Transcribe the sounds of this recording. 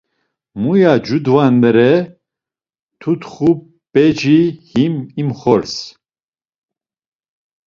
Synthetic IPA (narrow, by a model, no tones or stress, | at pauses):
mujad͡ʒud̪vand̪ɛɾɛ | t̪ʰut̪χu | bɛd͡ʒihimimχɔɾs